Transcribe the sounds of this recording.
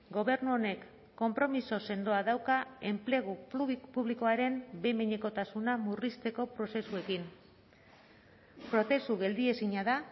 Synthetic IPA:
ɡo̞β̞e̞ɾnuo̞ne̞kː | o̞mpɾo̞miso̞se̞nd̪o̞aðawkae̞mple̞ɣ̞upuβliko̞aɾe̞mbemeɲe̞ko̞t̪asunamurist̪e̞ko̞pɾo̞se̞sue̞kin | pɾo̞θe̞suɣe̞ld̪ie̞siɲaða

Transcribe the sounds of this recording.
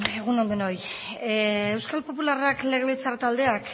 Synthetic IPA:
eɣunond̪unoj | ewskalpo̞pularakle̞ɣ̞eβit͡saɾt̪ald̪e̞ak

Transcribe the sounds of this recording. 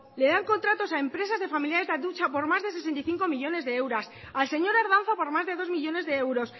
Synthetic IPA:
le̞ðaŋko̞nt̪ɾat̪o̞saempɾe̞sazðe̞familjaɾe̞zðaut͡ʃapo̞ɾmazðes̬e̞s̬ent̪aijθiŋko̞miʎo̞ne̞zðeewɾas | alse̞ɲo̞ɾaɾð̞an̟θopo̞ɾmazðe̞ðo̞zmiʎo̞ne̞zðe̞ewɾo̞s

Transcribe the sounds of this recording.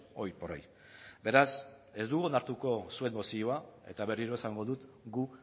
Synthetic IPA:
o̞jporoj | be̞ɾas | e̞zd̪uɣuonaɾt̪uko̞sue̞mbo̞sioae̞̰t̪aβe̞riɾo̞esaŋɡo̞ðut̪ | ɡu

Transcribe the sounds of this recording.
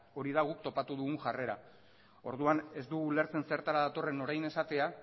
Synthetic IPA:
o̞ɾiðaɣ̞ukt̪o̞pat̪uð̞uɣuŋʝare̞ɾa | o̞ɾðuane̞zd̪uɣule̞ɾt͡se̞nse̞ɾt̪aɾaðat̪o̞re̞no̞ɾajne̞sat̪ea

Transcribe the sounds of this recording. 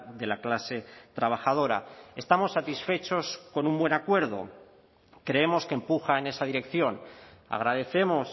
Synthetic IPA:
ðe̞laklase̞t̪ɾaβ̞axað̞o̞ɾa̰e̞st̪amo̞sːat̪isfe̞t͡ʃo̞sko̞numbwe̞nakwe̞ɾð̞o̞̰ | kɾe̞e̞mo̞skempuxaene̞saðiɾe̞kθjo̞na̰ɣ̞ɾaðe̞θe̞mo̞s

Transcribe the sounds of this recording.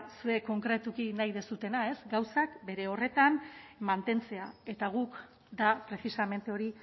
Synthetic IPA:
sue̞ko̞ŋkɾet̪ukinajðe̞sut̪e̞nae̞sɡawsakbe̞ɾe̞o̞re̞t̪anmant̪e̞nt͡se̞ae̞t̪aɣ̞uk | d̪apɾe̞sisame̞nt̪eoɾi

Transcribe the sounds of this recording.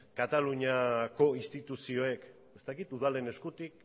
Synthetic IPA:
kat̪aluɲako̞ist̪it̪usio̞e̞k | e̞st̪akit̪uðale̞ne̞skut̪ik

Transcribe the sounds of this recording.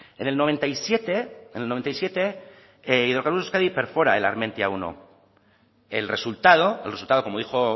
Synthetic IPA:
ene̞lnoβ̞e̞nt̪ajsjet̪eenelnoent̪ajsje̞t̪e̞ | iðoɾkaɾβus̬uskaðipe̞ɾfo̞ɾa̰ela̰ɾmẽ̞nt̪ja̰uno̰ | elre̞sult̪að̞oelresult̪aðo̞komo̞ðixo̞

